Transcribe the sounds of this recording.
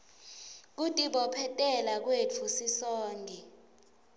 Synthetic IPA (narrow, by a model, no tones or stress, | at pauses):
k̬utʼiɓɔpʰɛtʼɛlak̬wet͡fʰusisɔːŋɡʱɛ